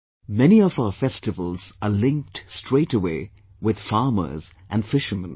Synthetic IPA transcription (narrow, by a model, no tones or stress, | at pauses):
mɛniɔvaʊəfɛstɨvəlˠz̥əlɪ̃ŋk̚tstɹeɪʈəweɪ | wɪð̥fɑːmə̰˞z̥ʔæ̃nfɪʃəmə̃n